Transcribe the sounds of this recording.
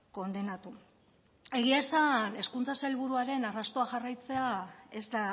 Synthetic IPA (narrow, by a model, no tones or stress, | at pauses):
ko̞nd̪e̞nat̪u | e̞ɣ̞iaesane̞skunt͡sasajlβ̞uɾuaɾe̞narast̪o̞axarajt͡se̞ae̞zd̪a